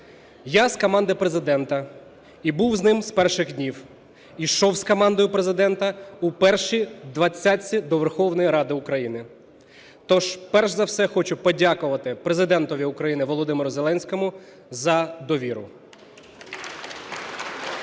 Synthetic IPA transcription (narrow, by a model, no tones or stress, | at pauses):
jaskɔmɑnd̪ɪpɾezɪd̪ɛnt̪ɐ | ibuwznɪmspɛrʃɪɣdʲnʲiw | iʃɔwskɔmɑnd̪ɔjʊpɾezɪd̪ɛnt̪ɐupɛrʃid̪ʋɐt͡sʲːat͡sʲːid̪ɔʋerxɔwnɔjiɾɑd̪ɪʊkɾɐjinɪ | t̪ɔʒpɛrʒzɐwsɛxɔt͡ʃʊpɔdʲakʊʋɐt̪ɪpɾezɪd̪ɛnt̪ɔʋʲiʊkɾɐjinɪʋɔlˠɔd̪ɪmeɾʊzelˠɛnʲsʲkɔmʊ | zɐd̪ɔʋʲiɾʊ